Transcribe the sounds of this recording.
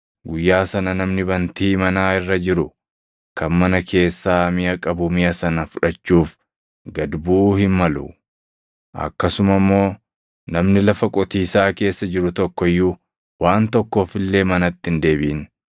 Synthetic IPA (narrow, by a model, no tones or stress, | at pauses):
ɡʊjːaːsɐnɐnɐmnɪbɐnt̪iːmɐnaːɪrːɐd͡ʒɪɾʊ | kɐnmɐnɐkʰe̞ːsːaːmɪjɐkʼɐbʊmɪjɐsɐnɐfʊᶑɐt͡ʃːuːf | ɡɐd̪buːhɪnmɐlʊ̰ | ʔɐ̰kːɐsʊmɐmːo̞ː | nɐmnɪlɐfɐkʼɔt̪iːsaːke̞ːsːɐd͡ʒɪɾʊt̪ɔkːɔjːu | wʔaːnt̪ɔkːoːfɪlːe̞ːmɐnɐt̪ːɪnd̪e̞ːbɪn